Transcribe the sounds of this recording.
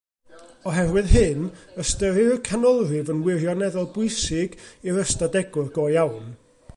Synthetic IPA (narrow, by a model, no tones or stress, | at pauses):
ɔɦɛrwɨðhɨnəstəɾɨrkʰanɔlˠrɨvənwɪrjɔnɛðɔlˠbʊɨsɪɡiɾəstadɛɡʊrɡoːjawn